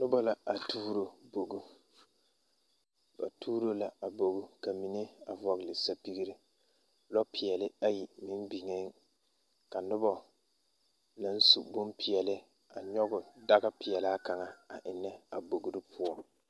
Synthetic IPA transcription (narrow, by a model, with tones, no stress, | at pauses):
nʊ˦ba˦la˨a˨tʰuː˦ɾo˦bo˨ɡu˦ | b̥a̰˨tʰuː˦ɾo˦la˨a˨bo˨ɡu˦ka˨mi˨ne˦a˨vɔ˨ɣlɪ˨sa˨pi˦ɡi˦ɾi˦ | lɔ˦pɪ˨ɛ˨lɪ˦a˦ji˨mɪ˦nbi˨ŋe˦ŋ | ka˨nʊ˦bɔ˦ | na˦n˦su˨bʊ˦mpɪ˨ɛ˨lɪ˦ | a˨ɲɔ˦ɡʊ˨da˦ɡa˦pɪ˨ɛ˨laː˦ka˨ŋa˨a˨ʔɪ˨nːɛ˦a˨bo˨ɡu˦ɾɪ˦pʰʊ˦ɔ˦